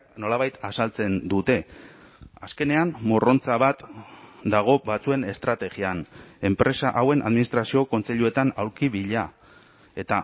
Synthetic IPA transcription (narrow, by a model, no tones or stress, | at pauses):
no̞laβ̞ajt̪asalt͡se̞nd̪ut̪e̞ | aske̞ne̞ammo̞ro̞nt͡saβat̪d̪aɣ̞o̞βat͡sue̞ne̞st̪ɾat̪e̞ɣiane̞mpɾe̞saʔawe̞nʔa̰ðminist̪ɾasio̞ko̞nt͡se̞ʎue̞t̪anawɾkiβiʎa | e̞t̪a